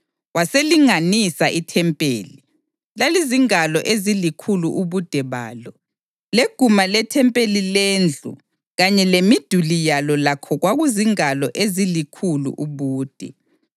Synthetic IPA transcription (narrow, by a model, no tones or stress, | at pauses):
waseliŋanisaʔitʰɛmpʼḛːli | laliziŋalɔʔezilikʰuluʔuβud̥ʱɛβa̰ːlɔ | leɡ̥ʱumalɛtʰɛmpʼelileːnd͡ɮʱṵ | ɣaɲɛlemid̥ʱulijalɔlakʰɔɣwaɣuziŋalɔʔezilikʰulṵʔuβuːd̥ʱɛ̰